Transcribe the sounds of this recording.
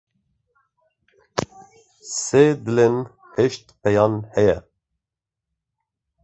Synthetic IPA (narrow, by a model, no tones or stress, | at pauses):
seːd̪ɨlen | heʃt̪̚pʰɛjɑːnhɛjɛ